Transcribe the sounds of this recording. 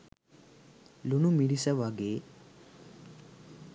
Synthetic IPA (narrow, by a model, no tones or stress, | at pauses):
lunumiɽisaʋaɡe